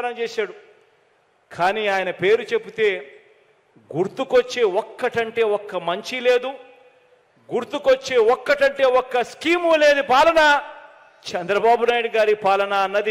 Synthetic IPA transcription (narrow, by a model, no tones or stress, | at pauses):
ɾɐmt͡ʃɛːsaːɽu | kʰaːniːaːjɐnɐpe̞ːɾut͡ʃe̞pːut̪e̞ː | ɡuɾt̪ukot͡ʃːe̞ːɔkːɐʈɐɳʈe̞ːɔkːɐmɐɲt͡ʃile̞ːd̪u | ɡuɾt̪ukot͡ʃːe̞ːɔkːɐʈɐɳʈe̞ːɔkːɐskiːmule̞ːd̪ipaːlɐnɐ | t͡ʃɛnd̪ɾɐbaːbunaːjiɽuɡaːɾipaːlɐnɐɐnːɐd̪i